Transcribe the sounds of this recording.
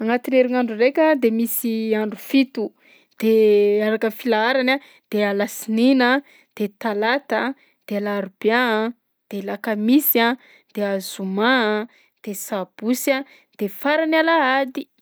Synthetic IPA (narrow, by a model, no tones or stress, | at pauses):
aŋat̪ineɾiŋaɳɖ͡ʐurekʲad̪emisiaɳɖ͡ʐufit̪u | d̪̥eaɾakəfilaaɾana | d̪̥ealasinina | d̪̥et̪alat̪a | d̪̥ealaɾuba | d̪̥elakamisa | d̪̥eazuma | d̪̥esab̥usa | d̪̥efaɾanalaad̪i